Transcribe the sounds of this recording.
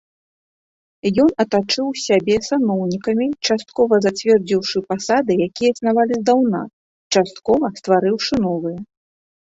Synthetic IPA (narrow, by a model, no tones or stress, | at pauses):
jɔnɐt̪at͡ʂɨwsʲabʲɛsanɔwnʲikɐmʲit͡ʂast̪̚kɔvɐzat͡sʲvʲɛrd͡zʲiwʂɨpasad̪ɨjakʲijɛsnavalʲizd̪awna̰ | t͡ʂast̪kɔvɐst̪vaɾɨwʂɨn̪ɔvɨjɛ